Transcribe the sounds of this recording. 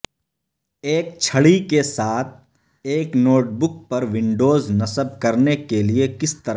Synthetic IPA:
eːk̚t͡ʃʰɐɽikesaːt̪̚ʰ | eːknoːʈ̚bʊk̚pɐɾʋɪ̃ɳɖoːznɐsəb̚kɐɾnekeliekɪst̪ɐɾ

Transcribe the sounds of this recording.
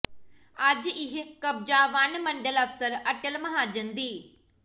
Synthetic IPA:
ɐd͡ʑɪɦekɐb̚d͡ʑaːʋaːnmɐ̃ɳɖəlɐfsəɾɐʈəlmɐɦaːd͡ʑənd̪iː

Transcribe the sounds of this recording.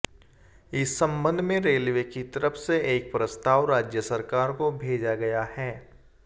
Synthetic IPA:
ɪsːɐ̃mbə̃nd̪ʱmẽɾeːlʋekit̪ɐɾəfseeːk̚pɾəst̪aːʋɾaːd͡ʒjəsɐɾkaːɾkobʱeːd͡ʒaɡɐjahɛː

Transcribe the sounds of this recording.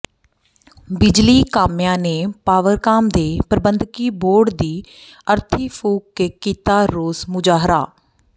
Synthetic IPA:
bɪd͡ʒliːkaːmjãːneːpaːʋəɾkaːmd̪eːpəɾbənd̪ʱkiːboːɾɖd̪iː | əɾt̪ʰiːpʰuːkːekːiːt̪aːɾoːzmʊd͡ʒaːɦɾa̰ː

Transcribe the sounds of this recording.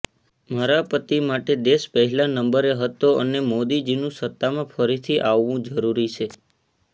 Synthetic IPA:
məɾapət̪imaʈed̪eʃpəɦɛlanəmbəɾeɦət̪oənemod̪id͡ʒinũsət̪ːamãfəɾit̪ʰiʔaʋːũd͡ʒəɾuɾit͡ʃʰe

